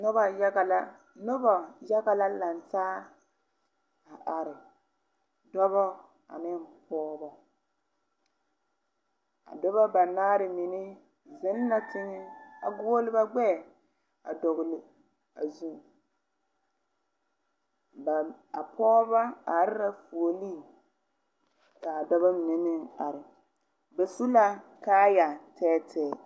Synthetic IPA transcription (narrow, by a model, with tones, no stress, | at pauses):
nʊ˦ba˨ja˦ɣa˨la˦ | nʊ˦ba˨ja˦ɣa˨la˦la˨ntaː˦ | a˨ʔa˨ɾɪ˨ | dɔ˦βɔ˦ | a̰˨nɪ˦mpɔː˦bɔ˦ | a̰˨dɔ˦ba˦ba˨naː˦ɾɪ˨mi˨nɪ˦ | zɪ˦nː˦a˦tɪ˦ɲɛ˦a˨ɡʊ˦o˦lɪ˦ba˦ɡ͡bɛ˦˨ | a̰˨dɔ˨ɣʊ˨lɪ˨ | a˨zu˦˨ | ba˨a˨pɔː˦ba˦a˨˦ɾɪ˦ɾa˦fu˨o˨li˦˨ | ka˨dɔ˦βa˦m˨nɪ˨˦nɪ˦ŋa˨ɾɪ˨ | be˨su˦la˦kaː˦ja˨tʰɛː˦tʰɛː˦˨